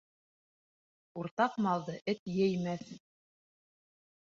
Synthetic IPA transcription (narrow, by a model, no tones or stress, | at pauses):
uɾt̪ɑqmɑlˠd̪ɤʔɘt̪jɘjmæθ